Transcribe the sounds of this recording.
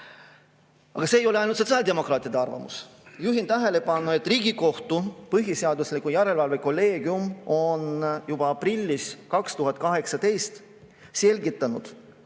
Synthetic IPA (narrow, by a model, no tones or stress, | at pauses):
ɑ̰ɡ̥ɑseːjo̞le̞ɑjnut̪so̞t̪sɑːlʲd̪e̞mo̞krɑːt̪ˑid̪eɑrvɑ̰mṵsjuɦint̪æɦe̞le̞pɑnːue̞t̪ːˑriːɡ̥iko̞ht̪upɤɦjiseɑd̪uslikːˑujæɾe̞lvɑlveko̞lːe̞ːɡ̥iumo̞njub̥ɑɑprilʲːiskɑkst̪uɦɑt̪̚ːˑkɑɦe̞ksɑt̪e̞jst̪ | se̞lʲɡit̪ːˑɑnud̪̥